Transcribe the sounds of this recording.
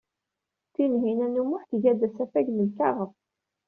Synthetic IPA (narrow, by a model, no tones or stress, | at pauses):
θinɦinænumʊħθʝæd̪æsæfæʝnəlkɑʁəf